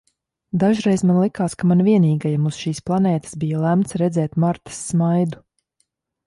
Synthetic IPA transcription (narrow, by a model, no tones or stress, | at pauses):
d̪aʒɾɛjzmanlˠikaːskamanviɛniːɡajamuz̥ʃiːsplˠanɛːt̪ə̥sbijalˠæmt̪sɾɛd̪zɛːt̪maɾt̪ə̥sːmajd̪u